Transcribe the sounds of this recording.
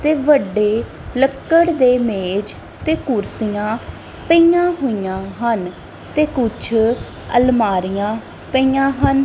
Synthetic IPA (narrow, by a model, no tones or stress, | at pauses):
t̪eːʋəɖeː | ləkːəɽd̪eːmeːd͡ʒ | t̪eːkʊɾsijãː | pəijãːɦoːijãːɦən | t̪eːkʊt͡ʃʰ | ə̰lmaːɾijãː | pəijãːɦən